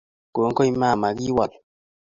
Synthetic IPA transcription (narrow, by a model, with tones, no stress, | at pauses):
ko˨˦ŋ˦kɔ˦i˦ma˦˨ma˨ɡi˦wa˨t